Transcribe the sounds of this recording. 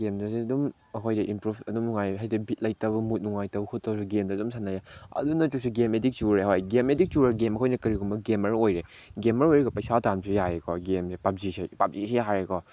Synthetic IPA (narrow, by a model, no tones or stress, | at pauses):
ɡemdɐsidum | ɐkʰojdɐʔimpɾubɐdumnuŋajɦajdɐbʱit̚lɐjtɐbɐmut̚nuŋajtɐwkʰut̚tɐwsuɡemdɐdumsʰanajaɐ̰dunɐtusuɡemedik̚t͡ʃuɾɾehojɡemedik̚t͡ʃuɾɐɾɡemɐkʰojnɐkɐɾiɡumbɐɡemɐɾojɾe | ɡemɐɾojɾekɔpɐjsatansijaɾekʰɔɡemsepap̚zisepap̚zisejaɦaɾekɔ